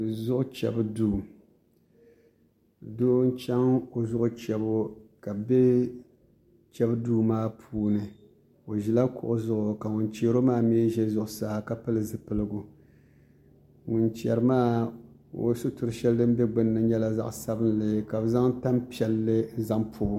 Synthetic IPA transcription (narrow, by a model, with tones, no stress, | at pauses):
ɨ˨zʊ˦ʔʊ˦t͡ʃɛ̰˨bduː˦˨ | doː˦n˦t͡ʃɛ˦ŋo˨zʊ˦ʔʊ˦t͡ʃɛ˨bʊ˦ka˨be˦ | t͡ʃɛ˦bduː˦maː˦pʰuː˦nɨ˨ | o˨ʒi˨la˦kʊ̰˨ʔʊ˦zʊ˦˨ʔʊ˨ka˨ŋʊ˨nt͡ʃeː˦ɾo˦maː˦meː˦ʒɛ˦zʊ˨ʔʊ˨saː˨˦ka˦pɨ˦lɨ˨zɨ˨pɨ˦lɨ˦ɡʊ˨ | ŋʊ˨nt͡ʃɛ˨ɾɨ˦maː˦ | o̰˨˦sʊ˦tʊ˨ɾɨ˨ʃɛ˦ldɨ˦m˦bɛ˦ɡ͡bɨ˦nːɨ˨ɲɛ˦la˦za̰˦ʔsa˦bɨ˦n˦lɨ˨ka˨bza˦ŋ˦ta˦mpi˦ɛ˨lːɨ˦za˦ŋpʰʊː˨˦